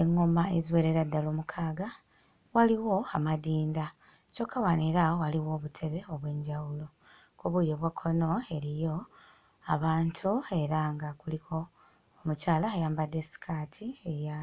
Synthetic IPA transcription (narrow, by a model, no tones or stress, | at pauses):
eŋːomaeziweːɾe̞ɾadːaloːmukʰaːɡa | waliwo̞amadiːnda | co̞kʰːawaneɾaowaliwo̞ːβutʰe̞βe̞o̞βwe̞ːɲɟawulo̞ | koβujeβwakʰːo̞no̞e̞ɾijo̞ | a̰βaːntʰue̞ɾaŋɡakulikʰo̞ː | mucaːlaajaːmbadesi̥kʰatʰieja